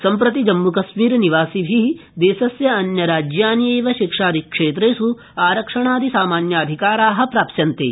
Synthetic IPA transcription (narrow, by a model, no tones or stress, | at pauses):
sɐmpɾɐt̪id͡ʒɐmːukɐsmiːɾniʋaːsibʱid̪eːsɐsjɐɐnjɐɾaːd͡ʒjaːnjeːʋɐʃikʂaːd̪ikʂeːt̪̬ɾeːsu | aːɾɐkʂɐɳaːd̪isaːmaːnjaːɐd̪ʱikaːɾaːɦɐ̆pɾaːpʃɐnt̪ḛː